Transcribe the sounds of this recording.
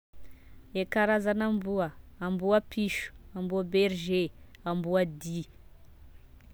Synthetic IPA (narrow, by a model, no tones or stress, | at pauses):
ekaɾazanambuəːmbuapʰiʃu̥ambuabeɾʒeambuad̪i